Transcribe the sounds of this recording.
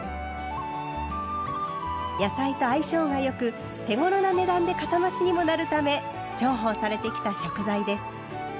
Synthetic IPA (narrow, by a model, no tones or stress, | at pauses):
jasait̪o̞aiɕo̞ːɡajo̞kɯ̟ | t̪e̞ŋo̞ɾo̞nane̞d̪ãnd̪e̞kasamaɕiɲ̟imo̞naɾɯ̟t̪ame̞ | d͡ʑo̞ːɦo̞ːsaɾe̞t̪e̞kʲi̥t̪aɕo̞kɯ̟zaid̪e̞sɨ̥